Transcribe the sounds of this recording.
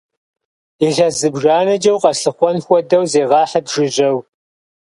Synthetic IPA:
iɮɐzɨbʒaːnɐd͡ʒɐwqɐɬɨχʷɔnxʷɔdɐwzeːʁɑːħɐdʒɪʒʼɐw

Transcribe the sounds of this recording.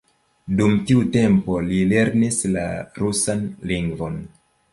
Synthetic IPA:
dumtiute̞mpo̞lile̞ɾnisla̰ɾusanliŋɡvo̞n

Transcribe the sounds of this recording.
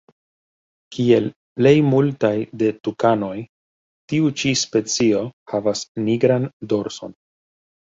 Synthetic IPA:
kʰie̞l | ple̞jmultajde̞tukano̞j | tiut͡ʃispe̞t͡sio̞havasniɡɾando̞ɾso̞̰n

